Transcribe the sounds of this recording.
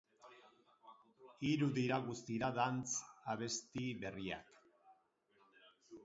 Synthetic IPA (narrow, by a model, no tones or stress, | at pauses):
iɾuðiɾaɣust̪iɾaðant͡saβe̞st̪iβe̞ria̰k